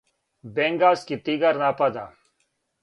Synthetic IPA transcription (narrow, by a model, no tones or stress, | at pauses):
bẽːŋɡaːzkit̪iːɡəɾnaːpad̪aː